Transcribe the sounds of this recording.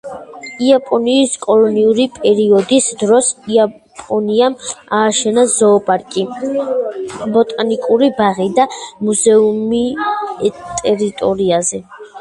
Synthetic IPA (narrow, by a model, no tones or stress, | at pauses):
iapʼɔniːskʼɔlˠɔniuɾipʼɛɾiɔd̪isd̪ɾɔsia | pʼɔniamaːʃɛnazɔːpʼaɾkʼi | bɔt̪ʼanikʼuɾibaʁid̪amuzɛumi | t̪ʼɛɾit̪ʼɔɾiazɛ